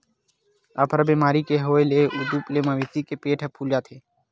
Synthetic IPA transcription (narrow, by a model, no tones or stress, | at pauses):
apʰəɾbiːmaːɾikeɦoːeleːud̪uːpleːmaʋɪt̪ikepeːʈʰəpʰuːljaːt̪ʰeː